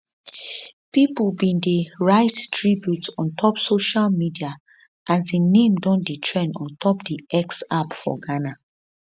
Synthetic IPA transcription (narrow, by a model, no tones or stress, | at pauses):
pipulbĩndeɹaɪttʰɹibjutɔ̃ntʰɔpsoʃalmidia | ʔasdenẽmdɔ̃nditʰɹɛ̃ndɔ̰̃ntʰɔpdiʔɛksapfɔ̰ɡana